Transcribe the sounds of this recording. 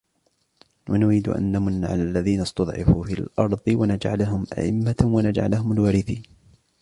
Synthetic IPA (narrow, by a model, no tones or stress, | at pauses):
wanʊɾiːd̪ʊʔa̰nːamʊnːaʕa̰lalːaðiːnast̪ɑd̪ˤʕɑ̰fuːfiːlʔɑɾˤðˤɨwanad͡ʒʕa̰laɦʊmʔa̰ʔɪ̰mːawanad͡ʒʕa̰lahʊmalwaːɾɪθiːn